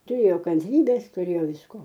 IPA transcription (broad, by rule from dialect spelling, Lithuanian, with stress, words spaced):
tʊˈrʲeːjoː kɐnʲˈtʲrʲiːbʲeːs tʊˈrʲeːjoː ʋʲɪsˈkoː